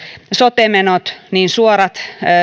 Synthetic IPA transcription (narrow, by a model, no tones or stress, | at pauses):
sot̪emenot̪niːnsuoɾɑt̪